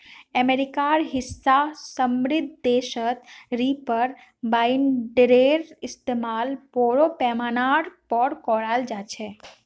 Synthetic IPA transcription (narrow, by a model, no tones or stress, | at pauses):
ɛmeːɾɪkaːɾɦɪsːasəmɾɪd̪̚ʱd̪eːʃət̪ɾiːpəɾ | baːɪnɖɾeːɾɪst̪eːmaːlpoːɾopɛːmaːnaːɖpɔːɾkɔːɽaːld͡ʒaːt͡ʃʰɛ